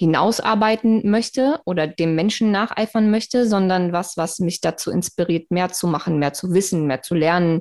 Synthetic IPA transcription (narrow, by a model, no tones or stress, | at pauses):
hɪna̰ʊsʔa̰ːɐbaɪtn̩mœçtəʔoːdɐdeːmːɛnʃn̩naːχʔa̰ɪfɐnmœçtəzɔndɐnvasv̥asmɪçd̥at͡suːɪ̰nspiʁiːɐtmeːɐt͡sumaχn̩meːɐt͡suvɪsn̩meːɐt͡sulɛɐnən